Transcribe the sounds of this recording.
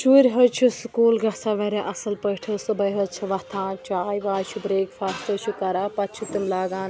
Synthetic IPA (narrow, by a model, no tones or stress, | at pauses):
t͡ʃuːɾʲɦɐt͡ʃʰiskuːlɡɐsaːʋɐɾʲeʔɐsɐlpɐʈʰɐsɨbɐjɦɐt͡ʃʰiʋɐt̪ʰãːt͡ʃaːjʋaːt͡ʃʰubɾeːkfʰaːst̪ɐʃʰukɐɾaːpɐt̪t͡ʃʰut̪imlaːɡaːn